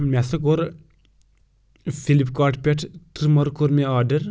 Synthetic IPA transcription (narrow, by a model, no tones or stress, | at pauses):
mʲɛsɐkoɾ | filipkaːɾʈʰpʲeʈʰt̪ɾmɐɾkoɾmeaːɖɐɾ